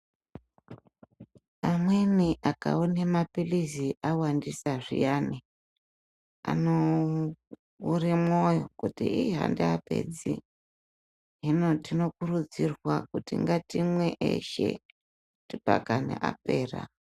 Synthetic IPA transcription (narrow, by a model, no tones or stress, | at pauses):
amweniʔakaunemapiliziʔawandisaʐijani | a̰no | urimojokutiiɦa̰ndeape̞̰d͡zḭ | ɦino̞tino̞kurud͡zirwakutiŋɡatimweʔeʃḛ | tipa̰kanḛʔa̰pe̞ːra̰